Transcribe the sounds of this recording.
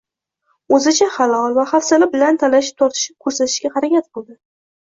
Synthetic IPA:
ɵzɪt͡ʃʰaχɑlˠɒlˠvaχafsalɪbɪlant̪ʰanaʃɪ̥p̚t̪ʰɒɾt̪ʰɪ̥ʃɪp̚kʰɵɾsat̪ʰɪ̥ʃkʲaqɑɾakʲat̪̚bolˠd̪ɪ

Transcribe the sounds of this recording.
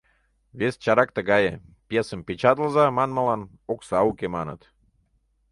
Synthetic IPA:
βest͡ɕɑɾɑk̚t̪əɣɑjepjesəmpʲet͡ɕɑt̪əlzɑmɑnməlɑn | oksɑukʲemɑnə̰̆t̪

